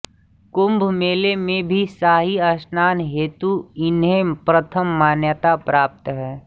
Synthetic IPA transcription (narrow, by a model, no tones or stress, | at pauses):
kʊmbʱmeːlemẽbʱisaːɦiɐsnaːnɦeːt̪uɪnɦẽpɾət̪ʰəmːaːnjət̪apɾaːp̚t̪ɦɛː